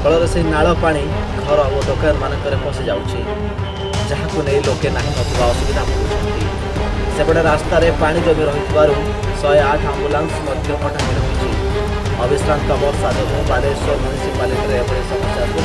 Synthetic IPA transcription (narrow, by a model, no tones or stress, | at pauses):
kɔɭɔɾɔseinaɭɔpaɽ̃iɡʱɔɾɔod̪okajɔɾmanɔŋkɔɾepʰɔ̃sid͡ʒawt͡ʃʰi | d͡ʒaɦakunejlokenaɦĩɦɔt̪ibaɔsubid̪ʱapɔɾut͡ʃʰɔnt̪i | sebɔɽeɾast̪aɾepaɽ̃id͡ʒɔmiɾɔɦit̪ʰibaɾu | sɔjaʈʰambulaŋsmɔd̪ʱjɔmaʈʰaɦeɽiɦwt͡ʃʰi | ɔbisɾank̪ɔmɔɾsad̪ʱɔɾubaɾesɔmjunisipalikɔɾeːbɔɽesɔmat͡ʃaɾku